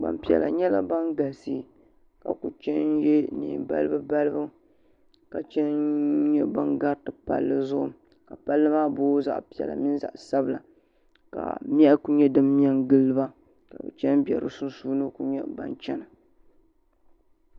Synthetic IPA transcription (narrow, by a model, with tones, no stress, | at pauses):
ɡ͡ba̰˨mpi˨ɛ̰˨la̰˨ɲɛ˦la̰˦ba˦nɡa˨si˦˨ | ka̰˨ku˨t͡ʃɛ˦njɛ˦nḭː˨ba̰˦lɨ˦bɨ˦ba˦lɨ˦bɨ˦ | ka˨t͡ʃɛ˦nɲɛ˦ba˦nɡa˦ɾtɨ˨pa̰˦lːɨ˦zʊ˦ʔʊ˦ | ka˨pa˦lːɨ˦maː˦boː˦za̰˨ʔpi˨ɛ̰˨la̰˨mi˦n˦za̰˨ʔsa˦bɨ˨la˨ | ka̰˨m˦ɛ˦ʔku˦ɲɛ˦dɨ˦m˦a˦nɡɨ˦lːɨ˦ba˦ | ka˨bɨ˨t͡ʃɛ˦nbɛ˨ɾɨ̰˦su˦nsuː˦nɨ˦ku˨ɲɛ˦ba̰˦nt͡ʃɛ˦nɨ˨